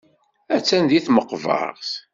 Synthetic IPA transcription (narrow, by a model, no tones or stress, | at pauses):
æt͡sːænd̪iθməqːvɑ̰ʁθ